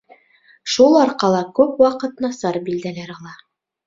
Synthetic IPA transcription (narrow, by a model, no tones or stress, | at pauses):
ʃulˠɑɾqɑlˠɑkʉpwɑqɤt̪nɑsɑɾbild̪ælæɾɑlˠɑ